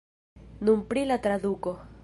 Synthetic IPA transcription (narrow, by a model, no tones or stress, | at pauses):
numpɾilat̪ɾad̪uko